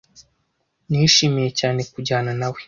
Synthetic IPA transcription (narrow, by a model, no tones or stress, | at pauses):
niʃimije̞caːne̞kuɟaːnanawe